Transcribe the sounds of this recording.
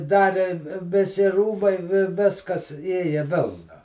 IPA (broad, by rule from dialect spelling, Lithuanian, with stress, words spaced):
ˈdɑːrʲɪ ʋʲɪˈsʲɪ ˈruːbɐɪ ʋʲɪ ˈʋʲɪskɐs ˈeːjɛ ˈʋʲeːlˠnɐ